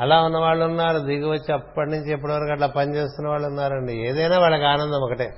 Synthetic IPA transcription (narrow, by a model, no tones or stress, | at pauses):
ɐlaːunːɐʋaːɭːunːaːɾud̪iːɡiʋɐt͡ʃːiɐpːɐʈinuɲt͡ʃiɛpːuɽiʋɐɾkuɐʈlaːpɐnit͡ʃeːst̪unːɐʋaːɭːunːaːɾɐɳɖieːd̪ɐjnaːʋaːɭːɐkiaːnɐnd̪ɐmɔkɐʈeː